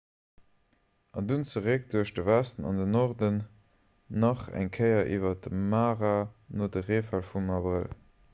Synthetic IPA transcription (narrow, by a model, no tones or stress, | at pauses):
ɑndunt͡səʁek̚d̥uɐʃdəvæstənɑ̰ndənɔʁdənː | ɑχæ̰ŋkʰəɪɐʔiːvɐdəmaːʁanodəʁeːfælfumɑbʁəl